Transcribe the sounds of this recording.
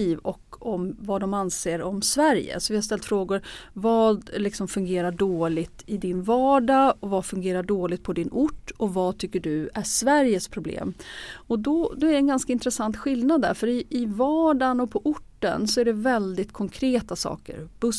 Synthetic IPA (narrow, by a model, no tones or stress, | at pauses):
iːvɔkːɔmvad̪ɔmanseːɾɔmsvæɾjə̰sɔvɪhast̪ɛlt̪fɾoːɡʊɾvɑːd̪lɪksɔmfɵŋɡeːɾaɖoːlɪɡt̪ɪd̪ɪnvɑːɖaɔvafɵŋɡeːɾaɖoːlɪɡt̪̚pʰɔd̪ɪnʊʈːɔvat̪ʰʏkːəɖɵæʂvæɾjəspʰɾʊblḛːmɔd̪ɔd̪ɔæɾɛnɡanskaɪnt̪ɾɛsant̪ɧɪlnad̪ːæ̰ɾfœɾɪːvɑːɖanɔpʰɔʔʊʈːə̰nsɔæɖɛvɛld̪ɪt̪kʰɔŋkʰɾeːt̪asɑ̰ːkə̰ɾb̥ɵ